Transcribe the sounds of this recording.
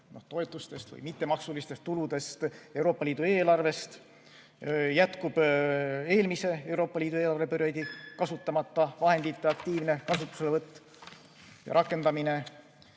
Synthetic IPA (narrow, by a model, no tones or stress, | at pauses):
no̞ht̪o̞e̞t̪ːˑust̪e̞st̪vɯ̰jmit̪ːe̞mɑksulist̪est̪ːulud̪e̞st̪ewɾo̞ːpːɑlʲiːd̪ue̞ːlɑrve̞st̪ | jæt̪kub̥ | e̞ːlmise̞e̞wɾo̞ːpːɑliːd̪ueːlɑrvepøɾjæd̪̥ʲikɑsut̪ˑːɑmɑt̪ːɑvɑɦe̞nd̪̥it̪ːeɑkt̪iːvne̞kɑsut̪ːˑu̥se̞levɤt̪ːˑ | jɑ̰ɾɑkːˑe̞nd̪ɑmine̞